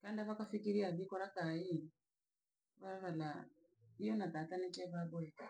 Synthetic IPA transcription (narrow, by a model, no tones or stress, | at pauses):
kandaβakafikiɾiaβikɔɾakai | βaβala | iɔnatatanɛt͡ʃɛβabɔɛ